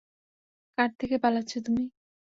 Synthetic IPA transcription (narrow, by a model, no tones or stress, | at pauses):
kaʈ̚t̪ʰekepalatːɕʰot̪umi